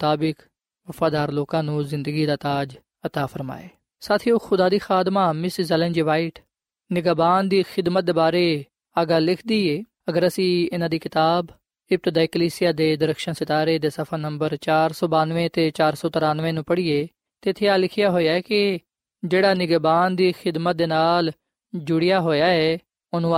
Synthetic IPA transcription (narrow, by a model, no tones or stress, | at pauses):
ʊt̪aːbɪk | ʋəfʰaːd̪aːɾloːkãːnũːzɪ̃nd̪əɡiːd̪aːt̪aːd͡ʒ | ət̪aːpʰəɾma̰ːḛː | saːt̪ʰioːxʊd̪aːd̪iːxaːd̪maːmɪszɛlɛ̃nd͡ʒiːʋaːɪʈ | nɪɡaːbaːnd̪iːxɪd̪mət̪̚d̪eːbaːɾeː | aːɡaːlɪkʰd̪iːeː | əɡəɾəsĩːɪnãːd̪iːkɪt̪aːb | ɪp̚t̪d̪aːikəliːsɪjaːd̪eːd̪əɾəkʃənsɪt̪aːɾeːd̪eːsəpʰənəmbəɾt͡ʃaːɾsɔːbãːnʋẽːt̪eːt͡ʃaːɾsɔːt̪əɾaːnʋẽːnũːpəɽiːeː | t̪eːt̪ʰːeːaːlɪkʰɪjaːɦoːjaːɛːkɪ | d͡ʒeːɽaːnɪɡaːbaːnd̪iːxɪd̪mət̪̚d̪eːnaːl | d͡ʒʊɽɪjaːɦoːjaːɛː | ʊnũː